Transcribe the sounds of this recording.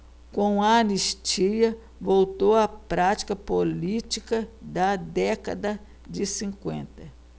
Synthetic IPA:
kõw̃ɐːniʃt͡ʃiɐ | vowt̪oɐpɾat͡ʃi̥kɐpolit͡ʃikɐd̪ɐd̪ɛkɐ̰d̪ɐ | d͡ʒɪsĩŋkwḛ̃nt̪ɐ

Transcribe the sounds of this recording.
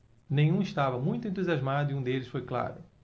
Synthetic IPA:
nẽj̃ũɪʃt̪avɐmũj̃t̪ʊẽnt̪̬uziazmad̪ʊiũd̪elɪsfojkla̰ɾʊ

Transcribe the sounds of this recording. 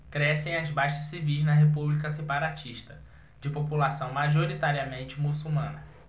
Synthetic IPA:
kɾɛsẽj̃azbajʃɐsivijznɐɦep̬ublikɐsepaɾat͡ʃiʃt̪ɐ | d͡ʒɪpopulasɐ̃w̃maʒoɾit̪aɾiɐmẽnt͡ʃɪmusuwmɐ̃nɐ

